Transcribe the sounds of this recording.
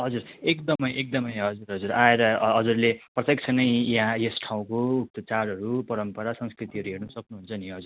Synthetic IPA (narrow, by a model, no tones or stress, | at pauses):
ɦʌd͡zuɾekd̪ʌmʌjʔek̚d̪ʌmʌjɦʌd͡zuɾɦʌd͡zuɾaeɾʌɦʌd͡zurleprʌt̪jek̚t͡sʰʌnʌjjɦãjesʈʰaw̃koːk̚t̪ʌt͡saɾɦʌɾupʌɾʌmpʌɾasʌ̃ŋskrit̪iɦʌɾuɦernʌsʌknuɦunt͡sʰʌniɦʌd͡zur